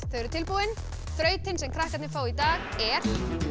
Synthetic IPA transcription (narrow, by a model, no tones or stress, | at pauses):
θœɥɾʏt̪ʰɪlpuwɪn | θɾœːɥt̪ɪnsɛmkʰɾahkat̪nɪfaːwit̪aːɣɛɾ̥